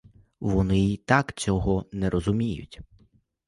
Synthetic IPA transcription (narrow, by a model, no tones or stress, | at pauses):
ʋɔnɪit̪ɑkt͡sʲɔɦɔnɛɾʔɔzʊmʲijʊ̰tʲ